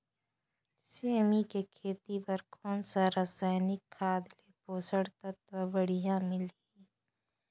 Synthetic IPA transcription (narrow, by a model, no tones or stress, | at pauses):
seːmikekʰeːt̪ipɐɾkʰoːnsaɾasɛːnɪkʰːaːd̪lepoːsəɽt̪ɐt̪wabəɽijãmɪl | iː